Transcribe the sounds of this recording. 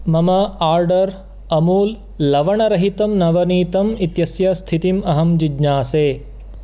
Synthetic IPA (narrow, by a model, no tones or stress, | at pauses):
mɐmɐaːɾɖɐɾ | ɐmuːlː | ɐʋɐɳɐɾɐɦit̪ɐmnɐʋɐniːt̪ɐmit̪jɐsjɐst̪ʰit̪imɐɦɐmd͡ʒid͡ʒnaːseː